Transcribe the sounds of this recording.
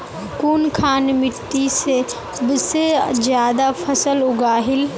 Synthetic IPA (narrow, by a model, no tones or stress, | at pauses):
kuːnkʰaːnmɪʈːise | bsed͡ʒjaːd̪apʰɐsəlʊɡaːɦɪl